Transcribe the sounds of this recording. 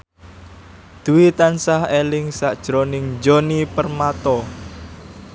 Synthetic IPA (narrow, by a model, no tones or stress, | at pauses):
d̪̥ṳwit̪ansahelɪŋsaʔd̥ʒ̥ɾonɪŋd͡ʒonipərmat̪ɔ